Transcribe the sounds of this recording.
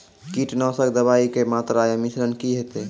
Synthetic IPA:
kiʈnɔsəkd̪əβaikemat̪ɾajəmisɾənkiɦet̪e

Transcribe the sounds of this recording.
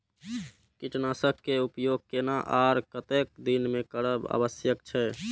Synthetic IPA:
kiʈnasəb̚kːeupjoɡ̚kenaʔaɾkət̪ek̚d̪inmekəɽəba̰bəsjəkt͡ʃʰɛ

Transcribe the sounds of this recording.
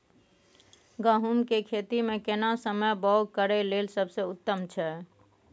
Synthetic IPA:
ɡəɦumkekʰet̪imekenasəməjbɔwkəɾɛlelsəbʱsə̃ut̪ːəmt͡ʃʰɛ

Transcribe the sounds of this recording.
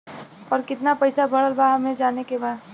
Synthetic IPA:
ɔːɾkɪt̪napɐɪsabʱɐɽəlbaɦmɦẽd͡ʒaːnekebaː

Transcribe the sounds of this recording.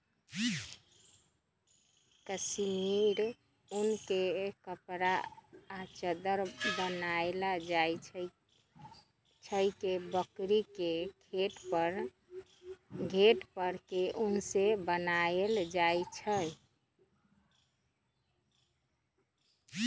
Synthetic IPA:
kəsmiɾ | unkekəpɾaː | t͡ʃəd̪əɾbənaelaaj | t͡ʃʰəjkebəkɾikekʰeʈpəɾ | ɡʱeʈpəɾkeʔunsebənaeld͡ʒaet͡ʃʰə

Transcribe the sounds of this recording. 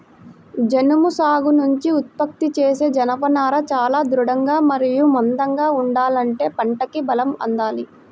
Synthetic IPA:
d͡ʒenumusaːɡunuɲt͡ʃiut̪̚pɐk̚t̪it͡ʃeːse̞ːd͡ʒɐnɐpɐnaːɾɐt͡ʃaːlaːd̪ɾuɽɐŋɡaːmɐɾijumɔnd̪ɐŋɡaːuɳɖaːlɐɳʈe̞ːpɐɳʈɐkibɐlɐmɐ̰nd̪aːli

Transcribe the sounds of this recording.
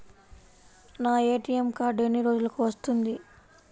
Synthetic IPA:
naːe̞ːʈiemkaːɾɖenːiɾo̞ːd͡ʒulɐkuʋɐst̪und̪i

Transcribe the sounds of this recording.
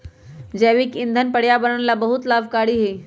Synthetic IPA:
d͡ʑɛʋiːkind̪ʱənpəɽjabəɾəɳlabəɦut̪labkaɽiːɦe

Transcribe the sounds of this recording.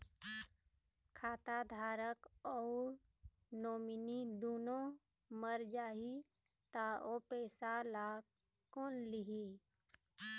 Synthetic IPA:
kʰaːt̪ad̪ʱaːɾəkɔːɾ | noːminid̪oːnõ | məɾd͡ʒaːɦi | t̪aopɛːsalaː | koːnlɪɦi

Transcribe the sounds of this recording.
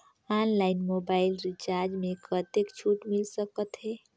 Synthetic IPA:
anlainmobailɾit͡ʃaɾd͡ʒmekʰət̪ekt͡ʃʰuʈmilsəkət̪ɦe

